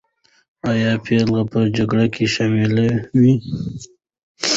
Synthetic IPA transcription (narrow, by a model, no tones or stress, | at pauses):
ajɑpʰelɣapəd͡ʒaɡɽakʰeʃɑmilawi